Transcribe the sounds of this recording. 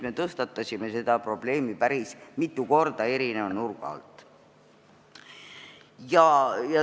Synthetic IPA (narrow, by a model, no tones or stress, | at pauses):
me̞t̪ɤst̪ɑt̪ˑːɑsʲime̞se̞d̪̥ɑpro̞b̥le̞ːmipæɾismit̪ːˑuko̞rd̪̥ɑe̞ɾinevnurɡ̥ɑ̰lt̪ːˑ | jɑjɑ